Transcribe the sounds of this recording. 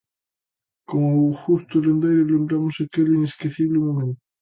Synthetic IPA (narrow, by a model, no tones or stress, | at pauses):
koŋoxust̪ulend̪ejɾolembɾamosakelineskiθiβlemomẽnt̪ʊ